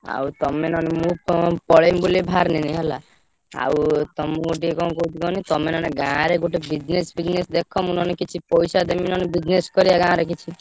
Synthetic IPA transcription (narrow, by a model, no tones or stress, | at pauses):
a̰wt̪ɔmenɔnemũpɔɭembulibʱaɾniniɦɛla | a̰wt̪ɔmuɡoʈ̬iekɔ̃kout̪ʰikɔnit̪ɔmenɔneɡãːɾeɡoʈibid͡ʒnesbid͡ʒnesd̪ekʰɔmunɔnekit͡ʃʰipɔjsad̪eminɔnebid͡ʒneskɔɾiaɡãːɾekit͡ʃʰi